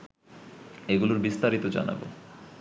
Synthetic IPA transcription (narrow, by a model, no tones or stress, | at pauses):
eɡuloɾbist̪aɾit̪od͡ʑa̰na̰bo̰